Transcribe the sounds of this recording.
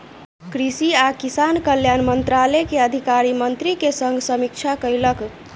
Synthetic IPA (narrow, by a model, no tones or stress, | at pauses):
kɾisiakisankəljanmənt̪ɾalekeəd̪ʱikaɾimənt̪ɾikesəŋɡʱsəmik̚t͡ʃʰakəjlək